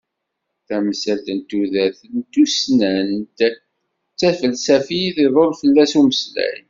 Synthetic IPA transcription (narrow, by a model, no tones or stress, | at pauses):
θæmsælt̪ənt̪ːuðæθnt̪usnæn | t͡sːæfəlsæfiθiðˤolfəlːæsuməslæ̰jn